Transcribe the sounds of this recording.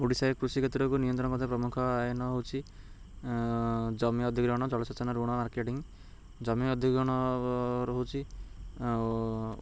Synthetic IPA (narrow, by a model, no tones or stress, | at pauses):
oɽisajkɾusikʰet̪ɾɔkunijɔnt̪ɾɔ̃nɔkɔt̪ʰepɾɔmukʰɔajɔnɔɦowt͡ʃʰi | d͡ʒɔmiɔd̪ʱikɾɔɽ̃ɔd͡ʒɔɭɔsɔt͡ʃɔnaɾuɽ̃ɔmaɾkeʈiŋ | d͡ʒɔmiɔd̪ʱikɔɽ̃ɔɾɔɦowt͡ʃʰi